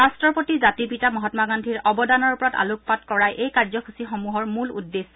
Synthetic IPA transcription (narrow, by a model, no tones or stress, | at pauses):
ɹastɹɔpotizatipitamɔɦɔtmaɡandʱiɹɔbɔdanɔɹpɔɹata̰luk̚patkɔɹajʔejkaɹzɔkʰusixɔmuɦɔɹmulṵdːes